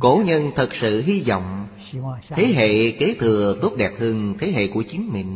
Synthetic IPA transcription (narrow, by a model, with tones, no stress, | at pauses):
ko˧˩ɲə˧nt̪ʰə˨˩t̚sɨ̰˧˨ɦi˧zɔ̰˧˨wŋ͡m̪ʰ | e˨˦ɦḛ˧˨ke˨˦t̪ʰɨ˨˩ət̪o˦˥p̚ɗɛ˨˩p̚hɨ˧əŋt̪ʰe˨˦ɦḛ˧˨ku˧˩ət͡ɕi˨˦ŋmḭ˧˨ŋ